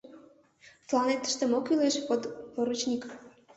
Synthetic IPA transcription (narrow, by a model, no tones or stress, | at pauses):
t̪lˠɑnet̪ːə̥ʃt̪emokyleʃopoɾut͡ɕnʲik